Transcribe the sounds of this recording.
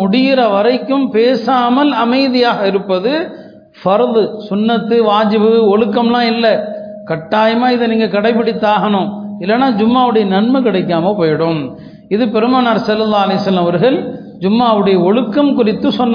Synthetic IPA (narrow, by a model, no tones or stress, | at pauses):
ʊɽɪjɪɾɐʋɐɾɐɪkːɯmpeːsaːmɐlɐmɐɪðɪjaːɣɐɪɾɯpːɐðɯ | fɐɾðsʊnːɐt̪ːɯʋaːd͡ʒɪbɯɔɻɯkːɐmlãːɪlːɐ | kɐʈːaːjɐmaːɪðɯniːŋɡɐkɐɽɐɪp̬ːɪɽɪt̪ːaːɣɐnʊ̃ɪlːɐnːaːd͡ʒʊmːaːɐʋɯɽɐjɐnɐɳmɐkɪɽɐɪkːaːmɐpoːjɪɽɯm | ɪðɯpɛɾɯmaːnɐɾsɐlːɐlːaːɐlɐjsɐlːɐmɐʋɐɾɯɣɐɭ | d͡ʒʊmːaːɐʋɯɽɐjɐɔɻɯkːɐmkʊrɪt̪ːɯsɔnːɐ